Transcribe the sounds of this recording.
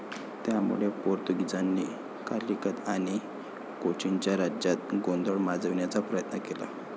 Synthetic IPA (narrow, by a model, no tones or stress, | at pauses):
t̪jamṵɭepoɾt̪uɡid͡zanːiː | kaɾikət̪aɽ̃i | kot͡ɕint͡ɕjaɾad͡ʑat̪̚ɡond̪əɭmad͡zəʋɳjat͡sapɾəjət̪nəkela̰